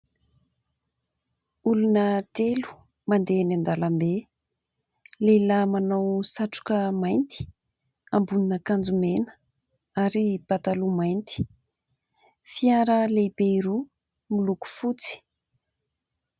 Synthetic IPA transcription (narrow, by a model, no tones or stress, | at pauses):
ulunət̪elu̥ | mand̪eanand̪alambe | lelamanawsaʈ͡ʂu̥kəmajnt̪i̥ | ambuninəkand͡zumenə̥ | aɾib̥at̪alumajnt̪i̥ | fiaɾəlebeiɾu | miluku̥fut͡si̥